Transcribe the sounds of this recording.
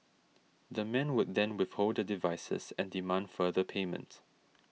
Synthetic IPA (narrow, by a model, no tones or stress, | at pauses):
dəmɛ̃nwʊd̚dɛ̃nwɪθholddədivaɪsə̰sɛ̃ndimãndfəðəpʰeːmə̰̃nt